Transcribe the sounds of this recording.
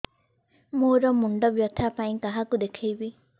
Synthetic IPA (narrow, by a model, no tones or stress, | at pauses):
moːɾɔmuɳɖɔbjɔt̪ʰːapaĩkaɦakud̪ekʰejbi